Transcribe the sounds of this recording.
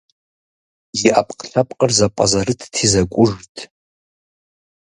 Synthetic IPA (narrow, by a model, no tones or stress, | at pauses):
jiʔapʰʼqʰʼɬapʼqʼərzapʷʼa̰zarɨtʰtʰizakʷʼʊʐtʼʰ